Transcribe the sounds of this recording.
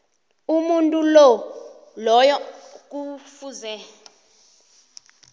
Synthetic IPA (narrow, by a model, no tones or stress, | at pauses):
umuntʼulɔ | lɔjɔk̬ʼufuzɛ